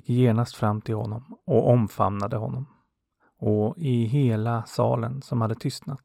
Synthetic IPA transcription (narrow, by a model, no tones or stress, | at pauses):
kːjeːɳast̪fɾamːt̪ʰɪlhɔnːɔmɔʔɔmfa̰mnad̪əɦɔ̰nːɔm | ɔɪɦeːlasɑ̰ːlənsɔmhad̪ːət̪ʰʏst̪nat̪